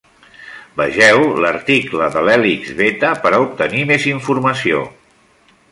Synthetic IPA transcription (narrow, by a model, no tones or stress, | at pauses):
bəʒɛwləɾt̪ikləðəlɛliɡzβet̪əpəɾaup̚t̪ənimeziɱfuɾməsio̰